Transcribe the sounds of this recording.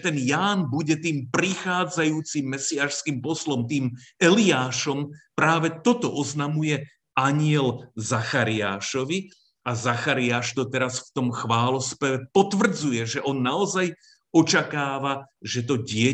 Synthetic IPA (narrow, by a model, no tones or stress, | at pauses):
t̪ɛnjaːnbuɟɛt̪iːmpɾixaːd͡zajuːt͡simːɛsiaːʃskiːmpɔslɔmt̪iːmɛliaːʃɔmpɾaːʋɛt̪ɔt̪ɔʔɔznamujɛ | aɲɪɛlzaxaɾiaːʃɔʋi | azaxaɾiaːʃt̪ɔt̪ɛɾasft̪ɔmxʋaːlɔspɛʋɛpɔt̪ʋr̩d͡zujɛʒɛʔɔnːaɔzaj | ɔt͡ʃakaːʋaʒɛt̪̬ɔɟɪɛ